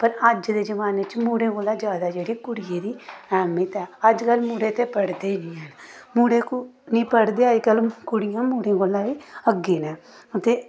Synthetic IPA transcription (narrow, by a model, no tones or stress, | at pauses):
pəɾəd͡ʒd̪eːd͡ʒəʋaːnet͡ʃmuːɽẽːɡoːlːãːd͡ʒjaːd̪aːd͡ʒeːɽiːkʊɽɪjeːd̪iːɛːmɪt̪ɛːəd͡ʒkəlmuːɽeːt̪eːpəɽd̪enĩːɦɛːnmuːɽeːku | nĩːpəɽd̪eːəd͡ʒkəlkʊɽɪjãːmuːɽẽːɡolãʋiːəɡeːnɛ̃ː | t̪eː